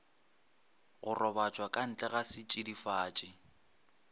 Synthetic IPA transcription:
ɣʊrɔbat͡ʃʼwakʼan̩t͡ɬʼɛɣasɪt͡ʃʼidifaːt͡ʃʼɪ

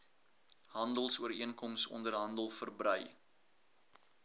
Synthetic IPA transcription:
ɦɐndəlˠsuəɾiənkɔmsɔ̰ndərɦɐndəlˠfərbrəj

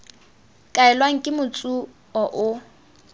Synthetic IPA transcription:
kʼaɛlwaŋ̩kʼɪmʊt͡sʼu | ɔʔʊ

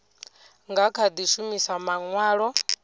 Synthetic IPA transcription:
ŋɡakʰad̪iʃumisamaŋwaːɺɔ

